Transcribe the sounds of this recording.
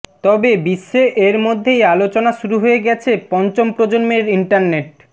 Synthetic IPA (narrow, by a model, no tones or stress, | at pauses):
t̪ɔbebiʃːeʔeɾmod̪ʱːejalot͡ɕonaʃuɾuɦoeɡɛt͡ɕʰepɔnt͡ɕompɾod͡ʑonmeɾiɳʈaɾneʈ̚